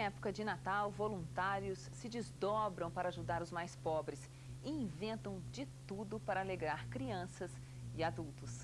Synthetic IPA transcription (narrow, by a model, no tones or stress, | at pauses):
ɛpo̥kɐd͡ʒɪnat̪awvolũnt̪aɾjʊsːɪd͡ʒɪzd̪ɔbɾɐ̃w̃paɾɐaʒud̪aɾʊzmajspɔbɾɪs | ɪĩvẽnt̪ɐ̃w̃d͡ʒɪt̪ud̪ʊpaɾɐaleɡɾaɾkɾiɐ̃sɐs | ɪad̪uwt̪ʊs